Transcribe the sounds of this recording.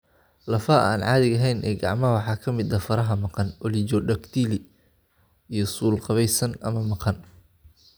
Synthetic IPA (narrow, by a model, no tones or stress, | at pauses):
lɐfɐʔa̰ːnʕɑːðɪɣɐɦɛjnʔɛ̰ːɡɑ̰ʕmɐwɑħɑːkʰɐmɪd̪ɐfɐɾɐɦɐmɑqɑnɔlɪt͡ʃɔɖɐkt̪ʰiːlɪ | ijɞsuːlqɑβɛjsɐnɐmɐmɑqɑn